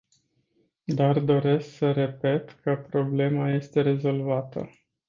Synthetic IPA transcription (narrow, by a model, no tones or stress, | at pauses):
d̪ard̪o̞ɾe̞sksəɾe̞pe̞t̪kʰəpɾo̞ble̞maje̞st̪e̞ɾe̞zo̞lvat̪ə̰